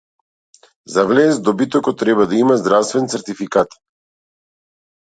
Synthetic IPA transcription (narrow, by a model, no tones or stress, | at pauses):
zavlɛzd̪ɔbit̪ɔkɔt̪ːɾɛbad̪aimazd̪ɾafst̪vɛnt̪sɛɾt̪ifikat̪